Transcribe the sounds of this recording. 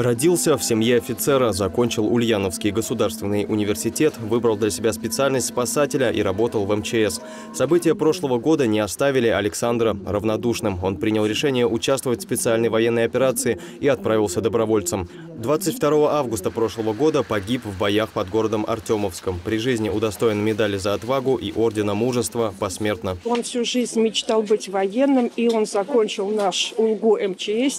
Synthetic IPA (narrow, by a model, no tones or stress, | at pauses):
rɐdʲilˠsʲəfsʲɪmjeɐfʲɪt̪sɛɾəzɐko̞nʲt͡ɕɪlˠʊlʲjanəfskʲɪjɡəsʊd̪arst̪vʲɪnːɨjʔʊnʲɪvʲɪrsʲɪtʲe̞t̪vɨbɾəlˠd̪lʲəsʲɪbʲaspʲɪt̪sɨalʲnəsʲtʲspɐsatʲɪlʲəʔḭɾɐbo̞t̪əlˠvɛmt͡ɕɪɛs | sɐbɨtʲɪjəpɾo̞ʂlˠəvəɡo̞d̪ənʲɪɐst̪avʲɪlʲɪɐlʲɪksand̪ɾərəvnɐd̪uʂnɨmo̞npɾʲinʲɪlˠɾʲɪʂɛnʲɪjəʔʊt͡ɕast̪vəvətʲfspʲɪt̪sɨalʲnəjvɐjenːəjɐpʲɪɾat̪sɨɪ | iɐt̪̚pɾavʲɪlˠsʲəd̪əbɾɐvo̞lʲt̪səm | d̪vat̪sɨtʲft̪ɐɾo̞vəʔavɡʊst̪əpɾo̞ʂlˠəvəɡo̞d̪əpɐɡʲipvːbɐjaxpɐd̪ɡo̞ɾəd̪əmʔɐ̰rtʲoməfskəmpɾʲɪʐɨzʲnʲɪʊd̪ɐst̪o̞jɪnmʲɪd̪alʲɪzəːt̪vaɡʊʔiʔo̞rdʲɪnəmuʐəst̪vəpɐsmʲe̞rt̪nəo̞nfsʲuʐɨzʲnʲmʲɪt͡ɕt̪alˠbɨtʲvɐjenːɨmio̞nzɐkonʲt͡ɕɪlˠnaʂʊlˠɡuʔɛmt͡ɕɪɛsʲ